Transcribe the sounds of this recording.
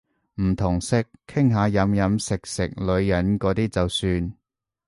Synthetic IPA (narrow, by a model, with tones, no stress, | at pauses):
m̩˨˩t̪ʰʊ˨˩ŋsɪ˧k̚ʰːɪ˥ŋɦaː˨˧˥jɐ˨˥mjɐ˨˧˥msɪ˨k̚sɪ̰˨k̚lɵ˨˧ɥjɐ˨˥nkɔː˨˧˥t̪iː˥t͡sɐ˨wsyː˧n